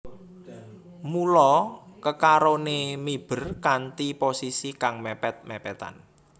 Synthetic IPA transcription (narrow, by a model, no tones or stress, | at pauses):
mulɔkəkaɾonemib̥ə̤rkant̪iposisikaŋmɛpɛt̪̚mɛpɛt̪a̰n